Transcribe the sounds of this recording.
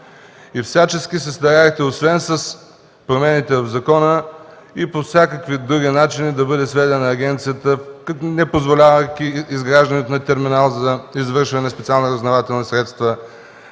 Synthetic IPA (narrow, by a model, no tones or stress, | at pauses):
ifsʲat͡ʃɛskʲisɛst̪ɐɾaixt̪ɛosvɛnsɐs | pɾomɛnit̪ɛvɐvzɐkɔnə | ipofsʲjakəkvid̪ɾuɡʲinat͡ʃinid̪ɐbɤd̪ɛsvɛd̪ɛnɐːɡʲɛnt̪sijət̪əknɛpozvolʲavəkʲiːzɡɾaʒd̪ənɛt̪onɐt̪ɛɾminalˠzɐizvɤɾʃvɐnɛspɛt̪sialˠnoɾɐznɐvat̪ɛlˠnisɾɛt̪st̪və